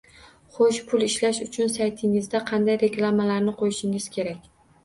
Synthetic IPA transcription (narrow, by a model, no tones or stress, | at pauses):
χoʃpʰʊlˠɪʃlaʃʊt͡ʃʰʊnsajt̪ʰɪŋɪzd̪aqʰɑnd̪ajɾe̞klˠamalaɾnɪqʰojɪʃɪŋɪz̥kʲʰe̞ɾakʲ